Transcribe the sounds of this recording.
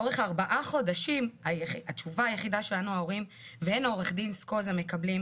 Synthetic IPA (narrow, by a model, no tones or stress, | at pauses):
oʁe̞χaʁbaʔaχo̞daʃimajatt͡ʃuvaːjeχidaʃelanuao̞ʁim | veeno̞ʁe̞χd̪insko̞zame̞kablim